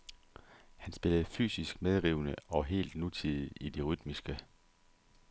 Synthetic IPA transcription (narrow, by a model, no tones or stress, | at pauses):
hænsb̥e̝ləð̞̩ˠfy̰ːsisɡ̥meðˠʁiːʊnəɒ̽ɦe̝̰ːld̥nut͡sʰiðˠiid̥e̝ʁyd̥misɡ̥ə